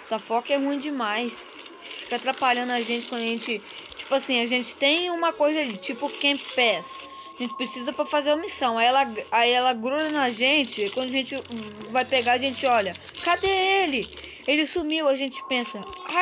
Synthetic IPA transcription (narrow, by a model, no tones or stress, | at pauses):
safɔkɛhũĩd͡ʒɪmajs | fi̥kɐat̪ɾapaʎɐ̃nd̪ʊɐʒẽnt͡ʃɪkwɐ̃d̪ʊɐʒẽt͡ʃɪt͡ʃi̥pʊasĩɐʒẽt͡ʃɪ̥t̪ẽj̃ũmɐkojzɐalit͡ʃipʊkẽpɛs | aʒẽnt͡ʃɪ̥pɾesizɐpɾɐfazeɾɐmisɐ̃w̃aiɛlɐaiɛlɐɡɾulɐnɐʒẽt͡ʃɪkwɐ̃nd̪ʊɐʒẽt͡ʃɪvajpeɡaɐʒẽnt͡ʃɪɔʎɐ | kad̪eelɪ | elɪsumiwɐʒẽt͡ʃɪ̥pẽsɐa